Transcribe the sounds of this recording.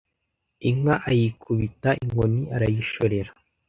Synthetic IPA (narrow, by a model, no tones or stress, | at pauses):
iŋaʔajikʰuβitaʔiŋɡoniʔaɾajiʃoɾe̞ɾḁ